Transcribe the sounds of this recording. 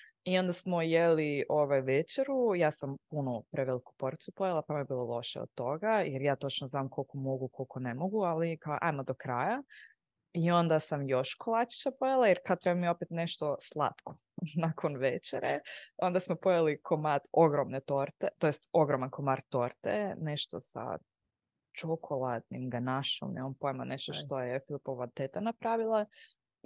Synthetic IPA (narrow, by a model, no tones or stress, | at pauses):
io̞nd̪asmojeliʔoʋajʋet͡ʃeɾujaːsampunupɾeʋeliku̥po̞ɾt̪supojalˠapamiebilˠolˠo̞ʃḛo̰d̪̚t̪ːo̞ɡajeɾjaːt̪o̞t͡ʃnoznaːmkʰo̞lkomo̞ɡukʰo̞lkonemo̞ɡualika̰ʔa̰jmad̪okɾaːja | io̞nd̪asamjo̞ʃkolˠat͡ʃi̥t͡ʃapojalˠajeɾkad̪̚t̪ɾebamieopet̪ne̞ʃt̪o̞slˠa̰t̪kʰo̥ | nakʰonʋet͡ʃeɾḛo̞nd̪asmopojalikʰo̞mad̪o̞ɡɾomnet̪o̞ɾt̪et̪o̞jest̪o̞ɡɾomankomaɾt̪o̞ɾt̪ḛneʃt̪o̞̰sa̰ | t͡ʃokʰolˠat̪nḭmɡanaʃo̰mnḛmampo̞jmaneʃt̪oʃt̪o̞jɛfilipoʋat̪et̪anapɾaʋilˠa